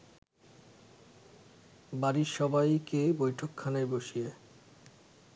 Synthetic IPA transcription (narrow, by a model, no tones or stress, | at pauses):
baɾiɾʃɔbajkebojʈʰokʰːanaeboʃie